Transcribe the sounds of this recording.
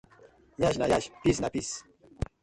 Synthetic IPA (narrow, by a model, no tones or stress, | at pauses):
jaʒna̰jaʃpisnapis